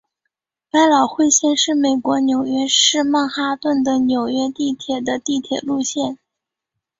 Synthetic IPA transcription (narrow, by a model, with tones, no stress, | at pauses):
pa˥ɪlɑ˨˩ʊxwe˥˧ɪɕjɛ˥˧nʂɻ̩˥˩me˨˩ɪkwɔ˧˥njo˨˩ʊɥɛ˥˧ʂɻ̩˥˧ma˥˩ŋxa˥t̪wə˥˩nd̪ə˩njo˨˩ʊɥɛ˥t̪i˥˩t̪ʰjɛ˨˩d̪ə˦t̪i˥˩t̪ʰjɛ˨˩lu˥˧ɕjɛ˥˩n